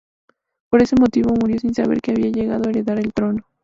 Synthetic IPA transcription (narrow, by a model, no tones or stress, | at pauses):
po̞ɾe̞se̞mo̞t̪iβo̞muɾjo̞sinsaβ̞eɾkeaβ̞iaʝe̞ɣað̞oaeɾe̞ðaɾelt̪ɾo̞no